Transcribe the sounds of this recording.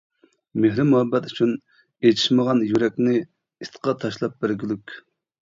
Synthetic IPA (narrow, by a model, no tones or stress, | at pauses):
mehɾɪmuhɛbːɛt̪yt͡ʃʰyn | ejt̪ʰi̥ʃməʁɑnjyɾɛkʲnɪ | ist̪qʰɑt̪ʰɑʃlˠɑp̚bɪɾɡʲylykʲ